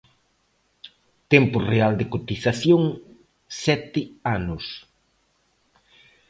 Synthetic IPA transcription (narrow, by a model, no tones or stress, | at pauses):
t̪ɛmpʊreald̪ekot̪iθaθjoŋ | sɛt̪ɪanʊs